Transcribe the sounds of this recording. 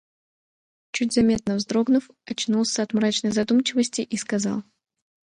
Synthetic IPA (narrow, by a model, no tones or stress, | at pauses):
t͡ɕutʲzɐmʲe̞t̪nəvzd̪ɾo̞ɡnʊf | ɐt͡ɕnulˠsʲəɐt̪mɾat͡ɕnəjzɐd̪umt͡ɕɪvəsʲtʲɪʔiskɐzɑ̰lˠ